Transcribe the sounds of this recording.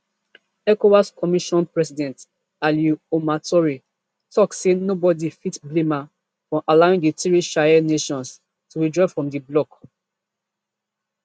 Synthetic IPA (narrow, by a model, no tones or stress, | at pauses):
ɛkowaskʰɔmiʃɔ̃npɹɛsidɛ̃nt | aljuomatɔɹi | tɔksenobɔdifitblĩma | fɹɔ̃ʔalaĩŋditiɹiʃajɛneʃɔ̃ns | tuɹidɹɔvfɹɔ̃mdiblɔk